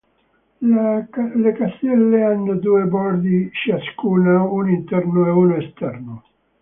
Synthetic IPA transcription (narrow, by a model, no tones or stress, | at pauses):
lekast̪ɛlːeanːd̪uebɔɾd̪iʃiaskuːnaunint̪ɛɾnueunest̪ɛɾnu